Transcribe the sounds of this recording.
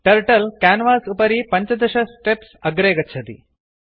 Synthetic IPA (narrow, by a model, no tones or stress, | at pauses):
ʈɐɾʈɐlkaːnʋaːsupɐɾipɐɲt͡ʃɐd̪ɐʃɐsʈepsɐɡɾeːɡɐt͡ʃʰɐt̪ḭ